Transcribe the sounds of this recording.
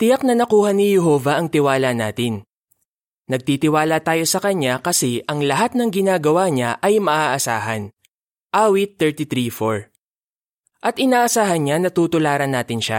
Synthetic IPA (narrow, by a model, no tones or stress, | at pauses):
t̪ɪjɐk̚nɐnɐkuːhɐnɪjɛɦo̞ːvɐʔɐŋt̪ɪwaːlɐnaːt̪ɪn | nɐɡ̚t̪it̪ɪwaːlɐt̪aːjo̞sɐkɐɲːakɐsɛʔɐŋlɐɦat̪̚nɐŋɡɪnaːɡɐwaɲaʔɐjmɐʔaːʔɐsaːɦɐn | ʔaːwɪt̪ːɛɹt̪it̪ɾifoɹ | ʔɐt̪ʔɪnaːʔɐsaːɦɐnɲanɐt̪uːt̪ʊlaːɾɐnːaːt̪ɪnʃa̰